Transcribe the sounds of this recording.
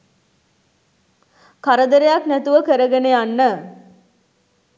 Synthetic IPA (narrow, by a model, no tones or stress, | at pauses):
kaɾəd̪əɾejaknæt̪uʋəkəɾəɡeneanːə